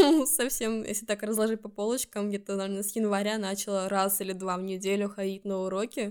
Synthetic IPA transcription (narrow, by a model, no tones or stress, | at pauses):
usɐfsʲe̞mjḛsʲlʲɪt̪akrəzlˠɐʐɨt̚ʲpɐpo̞lˠət͡ɕkəmɡdʲet̪ənɐvʲernəsjɪnvɐɾʲanat͡ɕɪlˠəɾasilʲɪd̪vavnʲɪdʲelʲʊxɐdʲitʲnəʊɾo̞kʲɪ